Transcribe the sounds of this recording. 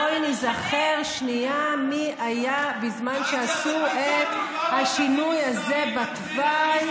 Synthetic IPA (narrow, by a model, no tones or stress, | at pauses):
ojnizaχeʁʃniamiajabizmanʃeasuʔet̪haʃinujazebat̪ | vaj